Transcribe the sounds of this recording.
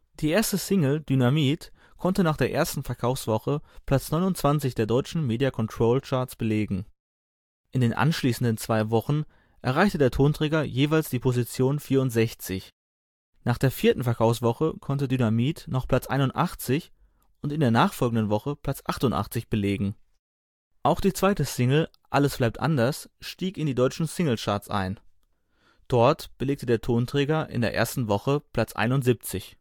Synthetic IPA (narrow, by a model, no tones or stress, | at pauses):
d̥iːʔeːɐstəsɪŋl̩dynamiːt | kʰɔntənaːχd̥eːɐʔḛːɐstn̩fɛɐkʰaʊfsv̥ɔχəpʰl̥at͡snɔʏnʊnt͡sv̥ant͡sɪçd̥eːɐdɔʏt͡ʃn̩meːdiakʰɔntʁ̥oːlt͡ʃaːɐt͡sb̥əleːɡŋ̩ | ʔɪndeːnʔa̰nʃliːsn̩dənt͡sv̥aɪvɔχn̩ | ʔɛɐʁ̞aɪçtədeːɐtʰoːntʁ̥ɛːɡɐjeːvaɪlsd̥iːpʰozit͡sjoːnfiːɐʊntz̥ɛçt͡sɪç | naːχd̥eːɐfiːɐtn̩fɛɐkʰaʊfsv̥ɔχəkʰɔntədynamiːtnɔχpl̥at͡sʔa̰ɪnʊntʔaχt͡sɪç | ʔʊntɪndeːɐnaːχfɔlɡŋ̩dənvɔχəpʰl̥at͡sʔaχtʊntʔa̰χt͡sɪçb̥əleːɡŋ̩ | ʔaʊxd̥iːt͡sv̥aɪtəsɪŋl̩ | ʔaləsb̥laɪp̚tʔa̰ndɐsʃtiːkɪndiːdɔʏt͡ʃn̩sɪŋl̩ʃaɐt͡sʔa̰ɪn | d̥ɔɐtb̥əleːk̚tədeːɐtʰoːntʁ̥ɛːɡɐʔɪ̰ndeːɐʔḛːɐstn̩vɔχəpl̥at͡sʔa̰ɪnʊntz̥ip̚t͡sɪç